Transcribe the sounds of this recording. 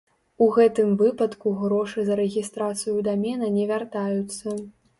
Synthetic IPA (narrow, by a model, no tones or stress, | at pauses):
uɣɛt̪ɨmvɨpɐt̪kuɣɾɔʂɨzɐɾɛɣʲist̪ɾat̪sɨjud̪amʲɛnɐnʲɛvʲart̪ajut̪sːɐ